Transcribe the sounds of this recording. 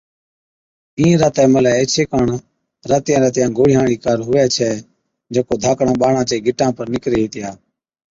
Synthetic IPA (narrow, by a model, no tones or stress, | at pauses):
ĩːɾaːt̪ɛːməlɛːeːt͡ʃʰeːkəɳ | ɾaːt̪ɪjãːɾəːt̪jãːɡʱoːɽɪjɦãːɽiːkaːɾɦʊʋɛːt͡ʃʰɛː | d͡ʒeːkoːd̪ʱaːkɳãːɓaːɳãːt͡ʃeːɡʱɪʈːãːpəɾnɪkɾeːɦiːt̪ɪjaː